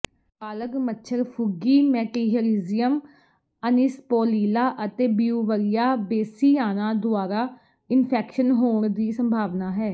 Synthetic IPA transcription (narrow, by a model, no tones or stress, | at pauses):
aːləɡmətːʃʰəɾpʰʊɡiːmɛːʈiɦəɾiːzɪjəm | ənɪspoːliːlaːʔət̪eːbijuːʋəɾijaːbeːsiːaːnaːd̪ʊaːɾaː | ɪnpʰɛːkʃənɦoːɳd̪iːsəmbʱaːʋnaːɦɛː